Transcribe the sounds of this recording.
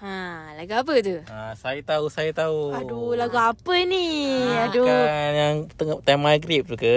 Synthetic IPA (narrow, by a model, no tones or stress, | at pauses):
alaɡuap̬ət̪̬uasait̪ausait̪auadulaɡuapəniadujaŋt̪əŋ̚t̪amaɡɾip̚t̪ukə